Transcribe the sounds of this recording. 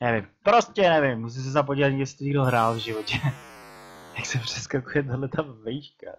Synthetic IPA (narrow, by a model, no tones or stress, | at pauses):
nɛvɪmpɾo̞scɛnɛvɪmːus̬is̬ɛzap̬oɟilat̪ɡjɛst̪ɾiɡdoɦɾaːlvʒɪvo̞cɛ | j̪aksɛpr̥ɛskakujɛt̪̬adlɛt̪avɛjiʃka̰